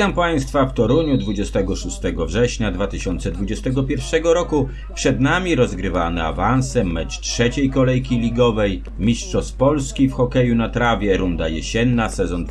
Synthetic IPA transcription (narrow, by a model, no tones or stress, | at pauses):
ampaj̃st̪faft̪ɔɾuɲud̪vud͡ʑɛst̪ɛɡɔʂust̪ɛɡɔvʐɛɕɲad̪vat̪ɘɕɔnt̪sɛd̪vud͡ʑɛst̪ɛɡɔpʲjɛɾfʂɛɡɔɾɔku | pʂɛd̪namʲiɾɔzɡɾɘvanɛa̰vansɛmːɛt͡ʂtʂɛt͡ɕejkɔlɛjkʲilʲiɡɔvɛj | mʲiʂtʂɔspɔlskʲifxɔkɛjunat̪ɾavʲjɛɾund̪ajɛɕɛnːasɛzɔn